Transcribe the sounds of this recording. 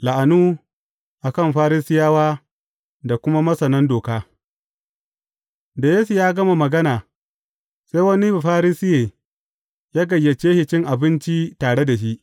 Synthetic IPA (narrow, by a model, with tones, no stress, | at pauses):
la˨ʔa˨nuː˦ | ʔa˨kɐ˦˨mɸaː˦ɾɪ˦sɪ˦jaː˦waː˦ | da˨kʷʊ˦ma˦mɐ˦sɐ˨nɐ˦ndoː˨kaː˦ | da˨jeː˦su˨jaː˦ɡɐ˦ma˨mɐ˨ɡɐ˦naː˨ | se˦wɐ˦ni˦˨ɸaː˦ɾɪ˦sɪ˦jeː˨ | jaː˦ɡɐ˨jːe˨t͡ʃeː˦hɪ˨t͡ʃɪ˦ŋʔa˨bɪ˦nt͡ʃi˦taː˨ɽe˦da˨ʃ̬i˦ʔ